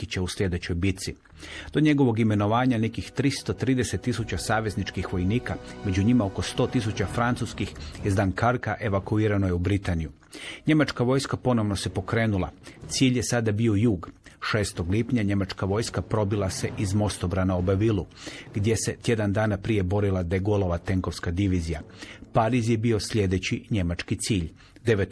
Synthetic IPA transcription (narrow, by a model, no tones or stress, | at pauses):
it͡ɕauslʲje̞d̪e̞t͡ɕo̞jbit̪si | d̪̥o̞ɲe̞ɡo̞ʋo̞ɡime̞no̞ʋaːɲane̞kixt̪ɾist̪ot̪ɾiːd̪e̞set̪ːisut͡ɕasaːʋe̞znit͡ʃkixʋo̞jniːkame̞d͡ʑuɲimao̞ko̞st̪o̞ːt̪is̬ut͡ɕafɾant̪suskixjezd̪ankaɾkaʔe̞ʋakuiːɾano̞jeubɾit̪aniju | ɲe̞mat͡ʃkaʋo̞jskapo̞no̞ʋno̞se̞po̞kɾe̞ːnulˠa̰t̪siːʎje̞sad̪abio̞juːɡ | ʃe̞ːst̪o̞ɡlipɲaɲe̞mat͡ʃkaʋo̞ːjskapɾo̞bilase̞ʔizmo̞st̪obɾanaobaʋilˠuɡ̥d̪je̞se̞t̪je̞d̪and̪aːnapɾije̞bo̞ɾilˠad̪eɡolˠo̞ʋat̪e̞ŋko̞ʋskad̪iʋiːzijapaɾizje̞bio̞sʎʲe̞d̪e̞t͡ɕiɲe̞mat͡ʃkit̪siːʎ | d̪eʋet̪